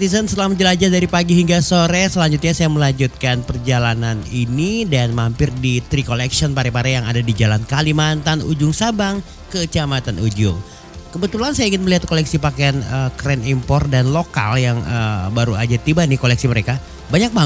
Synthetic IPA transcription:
t̪isənsəəlamad͡ʒəlad͡ʒadaɾipaɡiɦiŋɡasoɾesəlaɲd͡ʒʊt̪̚ɲasajaməlaɲd͡ʒut̪̚kanpərd͡ʒalananinidanmampɪrdit̪ɾikolɛksiɔnpaɾɛpaɾajaŋa̰dadid͡ʒalankalimant̪anṵd͡ʒʊŋsabaŋ | kət͡ʃamat̪anud͡ʒʊ̰ŋ | kəbət̪ulansajaiŋɪnməliɦat̪̚kolɛksipakeanəkɾɛnimpɔr̚danloka̰ljaŋəbaɾua̰d͡ʒat̪ibanɪkolɛksiməɾeka | baɲak̚ba

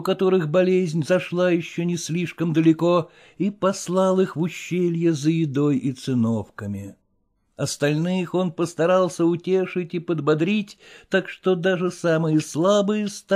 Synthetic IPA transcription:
ʊkɐt̪o̞ɾɨxbɐlʲezʲnʲzɐʂlˠajɪɕːonʲɪsʲlʲiʂkəmd̪əlʲɪko̞ | ipɐslˠalˠɨxvʊɕːelʲjəzəjɪd̪o̞jit̪sɨno̞fkəmʲɪ | ɐst̪ɐlʲnɨxo̞npəst̪ɐɾalˠsʲəʊtʲeʂɨtʲipəd̪bɐd̪ɾʲitʲt̪akʂt̪od̪aʐɨsamɨjəslˠabɨjəst̪

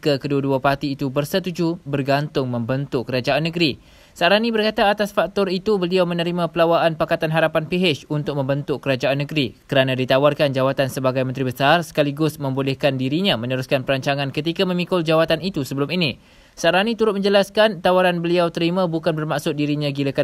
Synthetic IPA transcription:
kəkəduaduapart̪iːt̪ubərsət̪ud͡ʒubərɡant̪ʊŋmə̃mbənt̪ʊkːəɾad͡ʒaanːəɡɾi | saɾanibərkat̪aːt̪asfak̚t̪ɔrit̪ubəliawmə̃nəɾimãpəlawaʔanpakat̪anɦaɾapanpiɦɪt͡ʃunt̪ʊk̚mə̃mbənt̪ʊkːəɾad͡ʒaanːəɡɾikəɾanãdit̪awarkand͡ʒawat̪ansəbaɡajmə̃nt̪ɾibəsarsə̥kaliɡʊsmə̃mbolɛhkandiɾiɲãmə̃nəɾuskanpəɾaɲt͡ʃaŋãnkət̪ikamə̃mĩkʊld͡ʒawat̪anit̪usəbəlʊmini | saɾanit̪uɾʊt̪̚mə̃ɲd͡ʒəlaskant̪awaɾanbəliawt̪əɾimãbukanbərmaʔsʊt̪̚diɾiɲãɡiləka

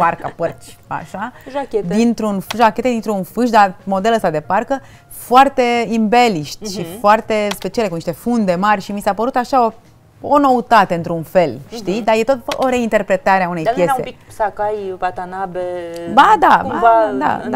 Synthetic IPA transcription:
parkapərt͡ʃʲa̰ʃaʒakʲed̪int̪ɾunfʒakʲe̞t̪ed̪int̪ɾunfɨʃd̪amo̞d̪e̞ləst̪ad̪e̞parkə | foart̪e̞imbe̞liʃt̪ʃifoart̪e̞spe̞t͡ʃiale̞kuniʃt̪efund̪e̞marʲʃimisapəɾut̪aʃao | ono̞ut̪at̪eɨnt̪ɾunfe̞lʃt̪id̪aje̞t̪ot̪oɾe̞int̪e̞rpɾe̞t̪aɾeaunejpje̞se̞̰piksakajpat̪anabebad̪aaad̪a̰

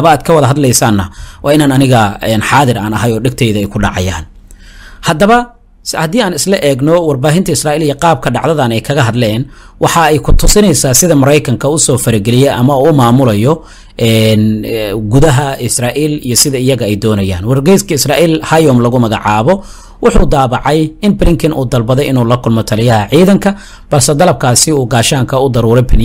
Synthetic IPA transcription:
βɐaːd̪̚kʰɐwɐðɐɦɐd̪lɛjsaːnːɐwʔɑːɪnaːnɐnɪɣɐɛːnħɑːðɪɾa̰ːnɐɦɐjɔːɖɛɡt̪ʰɛjðɐɛjkʰʊɖɑ̰ʕɑ̰ja̰ːn | hɐd̪ɐβɐ | hɐd̪iːaːnɪslɐʔɛːɡnɔwɑrbaːɦɪnt̪ʰɐɪsraːiːlijɐqɑːb̚kʰɐɖɑʕðɐðɐnɛjkʰɐɣɐɦɐd̪lɛːn | wɑħɑɛjkʰʊt̪ʰʊsɪnɛjsaːsɪðɐmɐɾɛjkʰɐŋkʰɐʊsɔːfɐɾɪɡɛlɪjɛʔɐmɐuːmaːmʊlɐjɔ | ʔɛːnɡʊðɐɦɐɪsraːʔiːlijɔsɪðɐɪjɐɣɐɛjd̪ɔːnɐja̰ːnwɐrɡɛjskʰɐɪsraːʔiːlhajɔːmlɐɣʊmɐɣɐʕɑːβɔ | wɑħuːd̪aːβɑʕɑjɪnblɪŋk̪ʰɐnʔṵːd̪ɐlbɐðɛjɪnuːlɐkʰʊlmɔt̪ʰɐlɪjɐhɐʕiːðɐŋkʰɐ | b̥ɐlsɛd̪ɐlɐb̚kʰaːsɪuːɡaːʃaːŋkʰɐʊd̪ɐɾuːɾɛbʰɪ

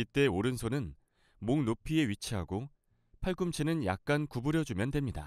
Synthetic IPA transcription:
it͈e̞oɾɯnsʰonɯn | moŋnopʰie̞ɥit͡ɕʰiɦaɡo | pʰaɭɡumt͡ɕʰenɯnja̰k̚k͈ankubɯɾjʌd͡ʑumjʌndwe̞mɲida̰

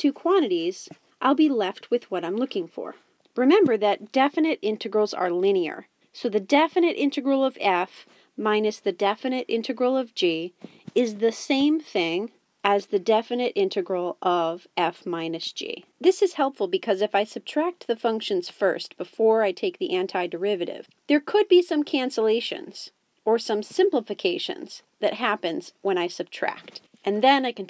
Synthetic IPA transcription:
tʰʉkʰw̥ɑ̃ɾ̃ɨɾiz | ʔaɪlˠbilɛft̚wɨðwʌɾãɪ̃mlʊkɪ̃ŋfə̰˞ | ɹɨmɛ̃mbə˞ðɨt̚d̥ɛfɨnɨɾɪ̃ntɨɡɹl̩ˠzə̰˞lɪ̃niə̰˞ | soʊðɨdɛfɨnɨɾʔɪ̃ntɨɡɹl̩ˠʌvɛf | mãɪ̃nɨsðɨdɛfɨnɨɾɪ̰̃ntɨɡɹl̩ˠʌvd͡ʒi | ɪzðɨsẽɪ̃mθɪ̃ŋ | ɨzðɨdɛfɨnɨɾʔɪ̃ntɨɡɹl̩ˠʔʌvɛfmãɪ̃nɨsd̥ʒ̥ḭ | ðɪsɨz̥hɛlˠpfl̩ˠbɨkʰʌzɨfaɪsɨb̚tʰɹ̥æk̚t̪̚ðɨfʌ̃ŋkʃɨ̃nz̥fɜ̰˞st̚b̥əfɔɹaɪtʰeɪk̚ðiʔæ̃ntʰaɪdə˞ɪvɨɾɪ̰v̥ðə˞kʰʊd̚bisʌ̃mkʰæ̃nsəleɪʃɨ̰̃nz̥ | ə˞sʌ̃msɪ̃mpləfɨkʰeɪʃɨ̰̃nz̥ | ðɨ̰t̚ɦæpɨ̃nz̥wə̃ɾ̃aɪsɨb̥̚tʰɹ̥æ̰k̚t | ʔɨ̃nðɨ̃naɪkn

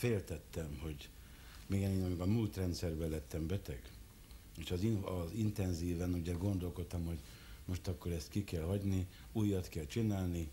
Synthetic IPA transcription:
feːlt̪ɛt̪ːɛmho̞ɟ | meːɡɛneːnɒmiɡɒmult̪rɛnt̪sɛrbɛlɛt̪ːɛmbɛt̪ɛɡ | eːʃɒziɒzint̪ɛnziːvɛnuɟɛɡo̞nd̪o̞lko̞t̪ːɒmho̞ɟ | mo̞ʃt̪ɒkːo̞ɾɛst̪kikɛlhɒɟni | uːjːɒt̪kɛlt͡ʃinaːlni

